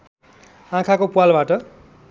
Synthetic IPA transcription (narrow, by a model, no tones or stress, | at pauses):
ãkʰakopualbaʈʌ